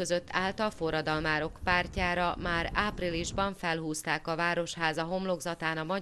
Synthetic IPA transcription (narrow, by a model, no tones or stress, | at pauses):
øzø̞t̪ːaːlt̪ɒlfo̞rːɒd̪ɒlmaːɾo̞kpaːrcaːɾɒmaːɾaːpriliʒbɒɱfɛlɦuːst̪aːkɒvaːɾo̞ʃɦaːzɒɦo̞mlo̞ɡzɒt̪aːnɒmɒ